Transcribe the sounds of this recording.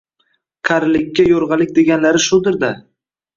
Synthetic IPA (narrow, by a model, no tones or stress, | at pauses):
qʰaɾɪlɪkʲːajoɾʁɑlɪk̚ʲd̪e̞ɡʲanlaɾɪʃʊd̪ɪɾd̪a